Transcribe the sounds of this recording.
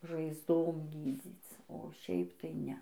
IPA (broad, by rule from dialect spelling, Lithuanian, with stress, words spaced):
ʒɐɪzˈdoːm ˈɡʲiːd͡zʲiːt͡s oː ˈʃʲɛɪp tɐɪ ˈnʲɛ